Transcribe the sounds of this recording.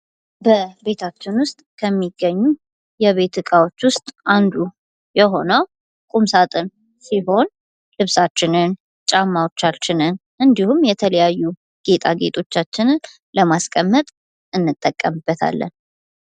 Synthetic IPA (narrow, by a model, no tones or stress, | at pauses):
bəbe̞t̪ʰat͡ʃːɪnwʊst̪ʼkʰəmːiɡːəɲːu | jɛβe̞t̪ɨkʼawo̞t͡ʃːwʊst̪ʼand̪u | jɛɦo̞nəw | kʼumsat̪ʼɨn | siɦo̞n | lɨβsat͡ʃːɪnɨn | t͡ʃʼamːawot͡ʃːalt͡ʃːɪnɨn | ʔɨnd̪ihumjɛt̪ʰələjajːu | ɡ̥e̞t̪ʼaɡe̞t̪ʼo̞t͡ʃːat͡ʃːɪnɨn | ləmaskʼəmːət̪ʼ | ʔɨnːɨt̪ʼːəkʼːəmbːət̪ʰa̰lːə̰n